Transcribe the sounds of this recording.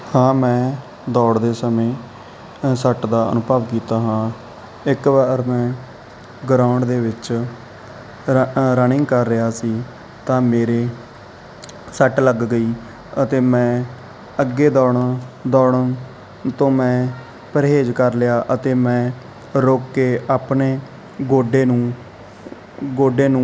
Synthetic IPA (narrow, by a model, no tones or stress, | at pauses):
hãːmɛ̃ː | d̪ɔːɽd̪eːsəmẽː | səʈd̪aːə̰nʊpəːʋkiːt̪aːɦãː | ɪkʋaːɾmɛ̃ː | ɡɾaːʊɳɖd̪eːʋɪt͡ʃ | ɾənɪ̃ŋɡkəɾːɪaːsiː | t̪ãːmeːɾeː | səʈləɡɡəiː | ət̪eːmɛ̃ː | əɡeːd̪ɔːɳd̪ɔːɳə | t̪õːmɛ̃ː | pəɾɦeːd͡ʒkəɾlɪjaːʔət̪eːmɛ̃ː | ɾoːkːeːʔaːpɳeː | ɡoːɖeːnũː | ɡoːɖeːnũː